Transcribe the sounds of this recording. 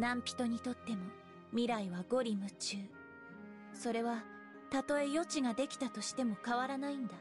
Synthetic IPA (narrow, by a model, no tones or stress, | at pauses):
nãmpʲi̥t̪o̞ɲ̟it̪o̞t̪ːe̞mo̞ | mʲiɾaiβaɡo̞ɾʲimɯ̟t͡ɕɨː | so̞ɾe̞βa | t̪at̪o̞e̞jo̞t͡ɕiɡad̪e̞kʲi̥t̪at̪o̞ɕi̥t̪e̞mo̞kaβaɾanaĩnd̪a